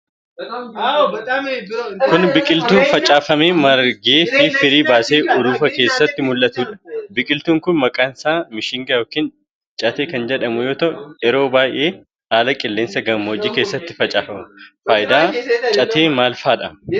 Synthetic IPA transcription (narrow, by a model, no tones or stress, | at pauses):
kʊnbɪkʼɪlt̪uːnfɐt͡ʃʼaːfɐmeːmɐɾɡeːfifɪɾiːbaːseːʔʊd̪uːfɐke̞ːsːɐt̪ːɪmʊlːɐt̪uːᶑɐ̥bɪkʼɪlt̪uːŋkʊnmɐkʼaːnsaːmɪʃɪŋɡɐjoːkiːn | t͡ʃʼɐt̪eːkɐnd͡ʒɛᶑɐmʊjo̞ːt̪ɐʔʊɛɾo̞ːbaːjʔe̞ː | aːlɐkʼɪlːe̞ːnsɐɡɐmːoːd͡ʒiːke̞ːsːɐt̪ːɪ̥fɐt͡ʃʼaːfɐmʊfaːjɪd̪aːt͡ʃʼɐt̪ʰeːmaːlfaːᶑɐ̰